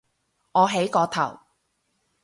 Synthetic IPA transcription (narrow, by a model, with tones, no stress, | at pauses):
ŋɔː˨˧ɦe˨˥jkɔː˧t̪ʰɐ̰˨˩w